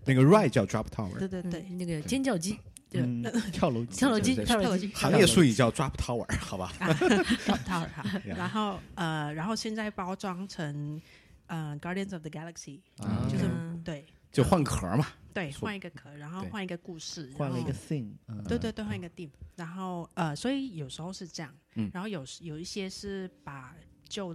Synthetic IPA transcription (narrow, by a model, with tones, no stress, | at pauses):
na˥˩ɡə˩ɻwa˥˧ɪt͡ɕjɑ˥˧ʊʈ͡ʂɹa̰˥pʰt̪ʰa˥ʊə̰˨˥˩t̪we˥˧t̪we˥˩ɪna˥˩ɡət͡ɕjɛ˥nt͡ɕjɑ˥˩ʊt͡ɕi˥ | t͡ɕjɑ˥˩ʊlo˧ʊjʊlo˧˥t͡ɕi˥˧˥li˥xa˧˥ŋjɛ˥˧ʂu˥˧i˨˩t͡ɕjɑ˥˩ʊʈ͡ʂwa˦˥pʰt̪ʰa˥ʊə̰˨˩xa˧˦ba˧ | a˥pt̪ʰa˥ʊə̰˨˩˧a˧˥nxo˥˩ʊə˧ɻa˧˥nxo˥˧ʊɕjɛ˥˧nt͡sa˥˩ɪpɑ˥ʊʈ͡ʂwɑ˥ŋʈ͡ʂʰə˧˥ŋ | ə˧˩ɡɑ˧˥ɾi˧ə˧˩nsɔ˨fðə˩ɡa˧˥lə˧ksi˨t͡ɕjo˥˧ʂ̩˥˧˩t̪we˥˩ɪt͡ɕjo˥˧ʊxwa˥˩nkʰə̰˨˧˥mɐ˨t̪we˥˩ɪxwa˥˩ni˧˥ɡə˧kʰɤ˨˩˦ɻa˧˥nxo˥˧xwa˥˩ni˧˥ɡə˧ku˥˧ʂɻ̩˥˩a˥wa˥˧nli˥˧ɡə˧si˥˩ŋ˧we˥˩t̪wt̪wwa˥˩ni˧˥ɡə˧t̪i˥˩mɻa˧˥nxo˥˩ʊə˧swɔ˧˥i˨˦jo˨˩ʊʂɻ̩˧˥xo˥˧ʊʂɻ̩˥˧ʈ͡ʂɤ˥˧jɑ˥˩ŋ̩˥˩a˧nxo˥˩ʊjo˨˩ʊ˧jo˨˩ʊi˥˩ɕjɛ˥ʂɻ̩˥˩pa˨˩t͡ɕjo˥˧ʊ